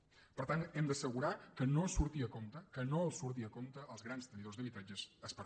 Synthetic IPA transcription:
pəɾt̪anɛmd̪əsəɣuɾakənoəsuɾt̪iəkomt̪əkənoəlˠsuɾt̪̬iəkomt̪əʔːlˠzɣɾanst̪ɾəniðozðəβit̪ɾad͡ʒəsəspəɾ

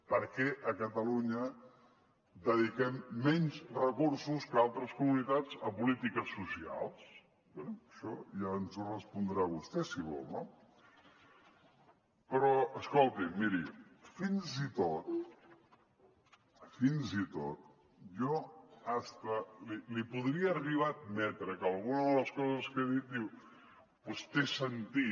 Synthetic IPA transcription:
pəɾkɛʔəkət̪əluɲə | d̪əðikɛmːɛɲzrəkuɾsuskəalˠt̪ɾəskumunit̪ad͡zəpulit̪ikəsusia̰lˠs | bɛəʃɔjaənzurəspund̪ɾaβust̪ɛsiβɔ̰lˠno | pəɾɔəskolˠt̪imiɾifinzit̪ot̪̚ | finzit̪ot̪̚ | ʒɔast̪əlilipuðɾiəːriβ̞aəd̪̚mɛt̪ɾəkəlˠɣunəðələskɔzəskeðit̪̚d̪iw | pwest̪esənt̪i

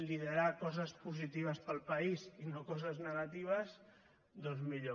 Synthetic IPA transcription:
liðəɾakɔzəspuzit̪iβ̞əspəlˠpəizinokɔzəznəɣat̪iβ̞əs | d̪ɔnzmiʎo

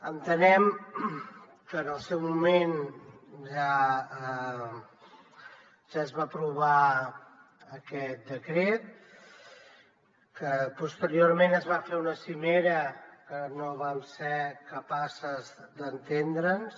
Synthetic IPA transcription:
ənt̪ənɛm | kəːnəlˠsɛwmumen | ʒaə | ʒ̥aəzβapɾuβa | əkɛt̪̚d̪əkɾet̪̚ | kəpust̪əɾioɾmenəzβafeunəsimeɾəkənoβamseɾkəpasəzd̪ənt̪end̪ɾəns

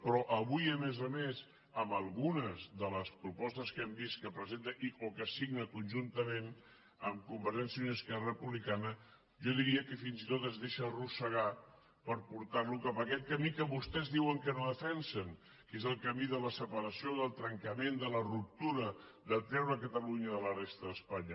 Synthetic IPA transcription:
pɾɔʔəβujəmezəmez | əmbəlˠɣunəzðələspɾupɔst̪əskɛmbist̪kəpɾəzent̪əʔiokəsiɣnəkunʲʒunt̪əmen | əmkumbəɾʒɛnsjəunəskɛrəəpuβlikanə | ʒɔðiɾiəkəfinzit̪ot̪əzðeʃərusəɣ̞a | pəɾpuɾt̪arlukapəkɛt̪̚kəmikəβust̪ɛzðiwəŋkənoðəfɛnsəŋ | kezəlˠkəmiðələsəpəɾəsioðəlˠt̪ɾəŋkəmend̪ələrup̚t̪uɾə | d̪ət̪ɛɾβəkət̪əluɲəðələrest̪əðəspaɲə

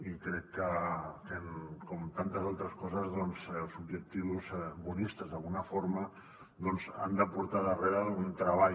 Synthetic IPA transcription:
ikɾɛkːət̪enkomt̪ant̪əzalˠt̪ɾəskɔzəzðɔnzlˠsubʒək̚t̪iuzbunist̪əzðalˠɣunɐfoɾma | d̪ɔnza̰nd̪əpuɾt̪aðərealunt̪ɾɐβa

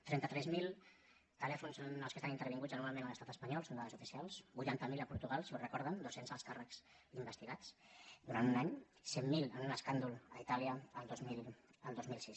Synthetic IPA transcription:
t̪ɾɛnt̪ət̪ɾɛzmilˠ | t̪əlɛfunsonəlˠkəst̪añint̪əɾβ̞iŋɡud͡zənuɾmalˠmẽnələst̪at̪əspəɲɔlˠsond̪aðəzufisialˠsbujt̪ant̪əmiləpuɾt̪uɣalˠsiurəkɔɾð̞ənd̪osenzəlˠskarəks | imbəst̪iɣat͡sd̪uɾant̪unaɲ | semːilənunəskand̪uləit̪aliəːlˠd̪oziləlˠd̪ozmilsis

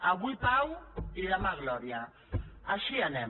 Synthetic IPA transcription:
aɣwipawilamaɣlɔɾja | aʃianɛm

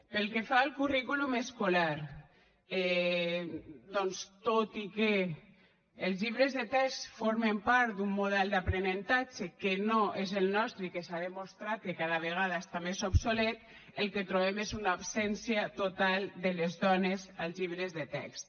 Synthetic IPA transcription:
pelkefaelˠkurikulumeskolaɾ | ɛ | d̪ɔnst̪ot̪ikeː | lˠzʎiβɾezðet̪ɛkst̪foɾmempaɾt̪d̪umːuðɛlˠd̪apɾenent̪at͡ʃekenoʔezelˠnɔst̪ɾekesaðemost̪ɾat̪̚kekaðaβ̞eɣaðaest̪amezobsolet̪ | elˠket̪ɾoβ̞emezunaːpsɛnsjat̪ot̪alˠd̪elezðɔnezalˠzʎiβɾezðet̪ɛ̰kst̪

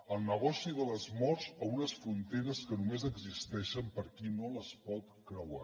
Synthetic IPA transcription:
əlˠnəɣ̞ɔsiðələzmɔrzounəsfɾunt̪eɾəskənumezəɡzist̪ɛʃəmpəɾkinoləspɔt̪kɾəwa

